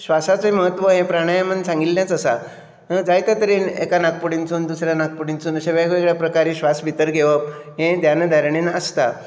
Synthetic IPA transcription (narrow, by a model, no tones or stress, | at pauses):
ɕʋasat͡siməɦət̪ʋəɦẽpɾaɽ̃ajamənsãŋɡilnjat͡səsa̰ | d͡zajt̪at̪əɾiːnḛkanak̚puɽint͡sʰuːnd̪usɾjanak̚pəɽint͡sʰuːnəɕeʋeekekɽjapɾəkaɾiːɕʋasʋit̪əɾɡʱeʋəpɦẽd̪janəd̪ʱaɾɳ̃inaəst̪a